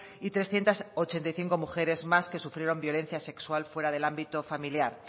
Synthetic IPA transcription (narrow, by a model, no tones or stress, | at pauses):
it̪ɾe̞sθje̞nt̪asot͡ʃe̞nt̪ajθiŋko̞muxe̞ɾe̞zmaske̞sufɾje̞ɾo̞mbjo̞le̞n̟θjase̞kswalfwe̞ɾaðe̞lambit̪ofamiljaɾ